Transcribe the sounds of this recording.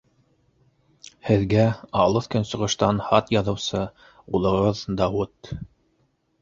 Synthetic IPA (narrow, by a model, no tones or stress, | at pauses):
hɘ̆ðɡæɑlˠɤθkɵnsɤ̆ʁɤ̆ʃt̪ɑnhɑt̪jɑðɤ̆wsɤ | ulˠɤ̆ʁɤðd̪ɑwut̪